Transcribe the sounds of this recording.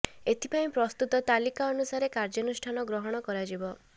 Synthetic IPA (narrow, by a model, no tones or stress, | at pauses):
et̪ʰipaĩpɾɔst̪ut̪ɔt̪alikaɔnusaɾekaɾd͡ʒɔnusʈʰanɔɡɾɔɦɔɽ̃ɔkɔɾad͡ʒibɔ